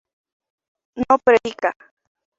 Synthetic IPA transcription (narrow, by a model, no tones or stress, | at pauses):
nopɾejka